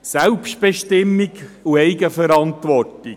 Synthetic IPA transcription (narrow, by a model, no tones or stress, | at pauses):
sælpʃtb̥eʃtɪmːiɡuɛɪɡəfəɾɑntʋɔrti